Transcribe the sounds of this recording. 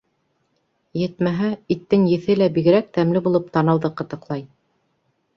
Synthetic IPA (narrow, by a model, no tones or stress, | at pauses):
jɘ̆t̪̚mæɦæit̪ːɘŋjɘ̆θɘlæbiɡɘ̆ɾæk̚t̪æmlɘbulˠɤp̚t̪ɑnɤ̆lˠðɤqɤ̆t̪ɤ̆qlˠɑj